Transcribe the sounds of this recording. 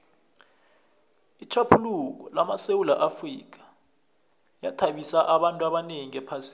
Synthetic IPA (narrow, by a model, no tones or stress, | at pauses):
it͡ʃʰapʰuluk̬ɔlamasewulaʔafriːk̬ḁ | jatʰaɓisaʔaɓantʼwaɓaneŋiɛpʰasi